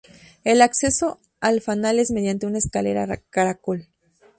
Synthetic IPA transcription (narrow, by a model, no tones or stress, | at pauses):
elakse̞so̞ | alfanale̞zmeðjant̪eunaeskalḛɾakaɾakol